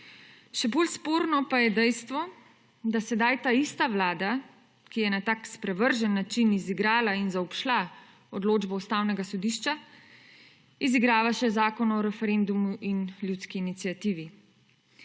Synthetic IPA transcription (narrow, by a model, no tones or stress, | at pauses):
ʃɛbolspoːɾnɔpajɛd̪ɛjst̪ʋɔ | d̪asɛd̪ajt̪aːist̪aʋlaːd̪a | kijɛnat̪aːkspɾɛʋəɾʒɛnːat͡ʃiniziɡɾaːlainzaɔpʃla | ɔd̪loːd͡ʒbɔust̪aːwnɛɡasɔd̪iːʃt͡ʃa | iziɡɾaːʋaʃɛzaːkɔnɔɾɛfɛɾend̪umuʔinljut̪skiːnit̪sijat̪iːʋi